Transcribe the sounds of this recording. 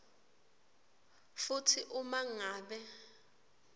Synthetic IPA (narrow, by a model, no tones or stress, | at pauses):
futʰiʔumaŋaːɓɛ